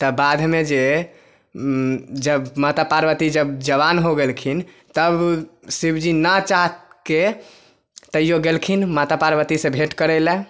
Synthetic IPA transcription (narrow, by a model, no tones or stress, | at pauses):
t̪əbad̪ʱmed͡ʒe | d͡ʒəbmat̪apaɾbət̪id͡ʒəbd͡ʒəβanɦoɡelkʰin | t̪əbsibd͡ʒinət͡ʃaɦt̪ke | t̪əjoɡelkʰinmat̪apaɾbət̪isẽbʱeʈkəɾɛlɛ